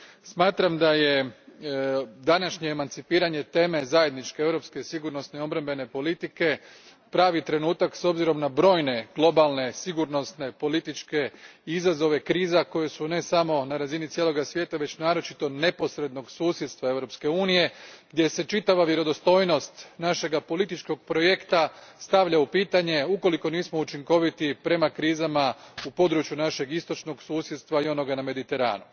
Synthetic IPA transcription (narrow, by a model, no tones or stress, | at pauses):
smaːt̪ɾamd̪aje | d̪anaʃɲeːmant̪sipiːɾaɲe̞t̪e̞ːme̞zaje̞d̪nit͡ʃkee̞ʋɾo̞pskesiɡuɾno̞sne̞io̞bɾambe̞ne̞po̞lit̪ike̞ | pɾaːʋit̪ɾe̞nuːt̪akso̞bziɾo̞mnabɾo̞ːjne̞ɡ̥lˠo̞balˠne̞siɡuɾnosne̞po̞lit̪it͡ʃke̞izazo̞ʋe̞kɾiːzako̞je̞sune̞samo̞naɾazinit̪sjelo̞ɡasʋjeːt̪aʋe̞t͡ɕnaːɾo̞t͡ʃit̪o̞ne̞po̞sɾe̞d̪no̞ɡsuːsjed̪st̪ʋae̞ʋɾo̞pske̞uːnije̞ɡ̥d̪ʲje̞se̞t͡ʃit̪aʋaʋje̞ɾo̞d̪o̞st̪o̞jno̞st̪naʃe̞ɡapo̞lit̪it͡ʃko̞ɡpɾo̞je̞kt̪ast̪aʋʎaupiːt̪aɲe̞uko̞liko̞niːsmo̞ut͡ʃiŋko̞ʋit̪ipɾe̞makɾiːzamaupo̞d̪ɾut͡ʃjunaʃe̞ɡist̪o̞t͡ʃno̞ɡsuːsjed̪st̪ʋaio̞no̞ɡaname̞d̪it̪e̞ɾa̰ːnu